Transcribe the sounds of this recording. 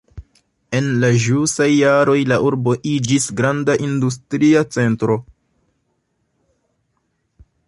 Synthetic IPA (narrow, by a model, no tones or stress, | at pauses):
e̞nlaʒusajːaɾo̞jlaʔuɾbo̞ʔid͡ʒisɡɾandaʔindus̬tɾiat͡se̞ntɾo̞